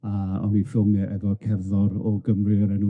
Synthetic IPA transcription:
aɔ̰nifɪlˠmɛʔɛvɔkʰɛrðɔɾɔɡəmrɨəɾɛnu

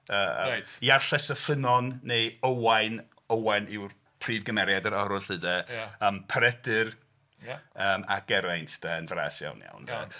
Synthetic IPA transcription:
əːə̰tiarɬɛsəfənɔnːejowajn | owajnɪwr | pʰriːvɡəmɛɾjadəɾɔɾʊɬɨdɛəːmpʰəɾɛdɨr | əːma̰ɡ̥ɛɾajntʰd̥aənvra̰ːsja̰wnja̰wnɛ̰

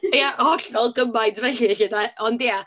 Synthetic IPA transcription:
jaɔɬɔlˠɡəmajdvɛɬɪɬɪdaɔndia

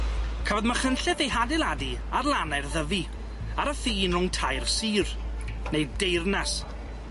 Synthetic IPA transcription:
kʰaːvɔdmaχənɬɛðejɦadɪlˠadiarlˠanarðəvi | aɾəfiːnrʊŋtʰajrsiːr | nejddejrnas

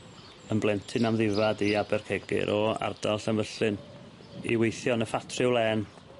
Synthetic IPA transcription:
əmblˠɛntʰɨnamðɪvadiabɛrkʰɛɡɪ̰ɾʔɔa̰rd̥alˠɬanvəɬɨn | ḭwejθjɔnəfatʰrɨwlˠɛn

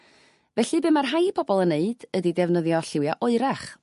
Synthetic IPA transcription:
vɛɬɨbɨmarɦajpʰɔbɔlˠənːeɨd̥ədidɛvnəðjɔɬɪwjaʔʊɨɾaχ

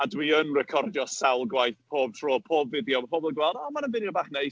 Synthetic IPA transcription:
adwiənrɛkʰɔrdjɔsawlˠɡwajθpʰoːb̚tʰroːpʰoːbvɪdjɔmpʰɔbɔlˠɡwɛlˠdɔmanənvɪdjɔbaːχnej

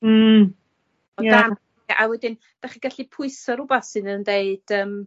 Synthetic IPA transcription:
ɔjdam | ɛʔawɛdɪn | d̥aχiɡaɬipʰʊɨsɔɾʊbaθɨnəndeɨd̥əːm

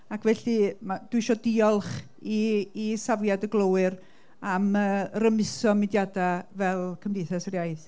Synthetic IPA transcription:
akʰvɛɬimad̥wɪɨʃɔdiɔlˠχ | iːsavjadəɡlˠəwɨr | aməːrəmɪsɔmɨdjadavɛlˠkʰəmdejθɛsrjajθ

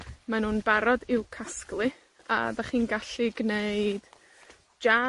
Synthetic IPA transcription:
manuːnbaɾɔdɪwkʰasklˠɨ | a̰daχiːnɡaɬiɡneɨd̥ | d͡ʒa

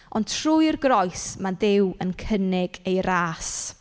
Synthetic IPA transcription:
ɔntʰrujrɡrɔjsmanðɪwənkʰənɪɡ̥ejɾaːs

